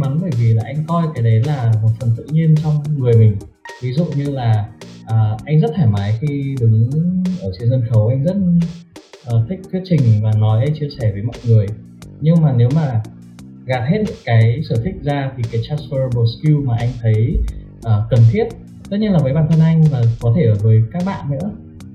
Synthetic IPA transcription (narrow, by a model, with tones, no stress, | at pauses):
ma˨˦nɓəː˧˩jvi˨˩laː˨˩ʔa˧jŋ̟kɔ˧jkaː˨˦jɗə˨˦jlaː˨˩mo˨˩t̚fə˨˩nt̪ɨ̰˧˨ɲi˧ənt͡ɕɔ˧wŋ͡mŋɨ˨˩əjmï˨˩ŋ̟ | vi˨˦zṵ˧˨ɲɨ˧laː˨˩ʔəː˨˩ʔa˧jŋzə˦˥t̚t̪ʰaː˧˩jmaː˨˦jxi˧ɗɨ˨˦ŋʔəː˧˩t͡ɕi˧ənzə˧nxə˨˦wʔa˧jŋzə˦˥t̚ | ʔəː˨˩t̪ʰï˦˥k̚t̪ʰw̚t͡ɕï˨˩ŋ̟vaː˨˩nɔ˨˦jʔə˧jt͡ɕi˧əsɛ˧˩vəː˨˦jmɔ̰˧˨jŋɨ˨˩əj | ɲɨ˧ŋmaː˨˩ne˨˦wmaː˨˩ | ɣa˨˩p̚he˦˥t̚nɨ̰˧˥ŋkaː˨˦jsəː˧˩t̪ʰï˦˥k̟̚zaː˧t̪ʰi˨˩kaː˨˦jt͡ɕaː˦˥sfə˧ɓo˧˩ski˧maː˨˩ʔa˧jŋ̟t̪ʰə˨˦j | ʔəː˨˩kə˨˩nt̪ʰi˦˥ət̚ | t̪ə˦˥ɲi˧nlaː˨˩və˨˦ɓaː˧˩nt̪ʰə˧nʔa˧jŋ̟vaː˨˩kɔ˨˦t̪ʰe˧˩ʔəː˧˩vəː˨˦jkaː˦˥k̚ɓa̰ː˧˨nnɨ̰˧˥ə